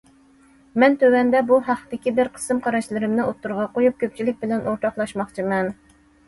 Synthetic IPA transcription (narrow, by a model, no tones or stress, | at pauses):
mɛnt̪ʰøwɛnd̪ɛbuɦɑχd̪ɪkʲibɪɾqʰə̥sɨmqʰɑɾɑʃlˠɨɾɪmnɨot̪ːuɾʁɑqojup̚kʲʰøp̚t͡ʃʰilɪk̚ʲbɪlɛnʔoɾt̪ʰɑχlˠɑʃmɑχt͡ʃʰimɛn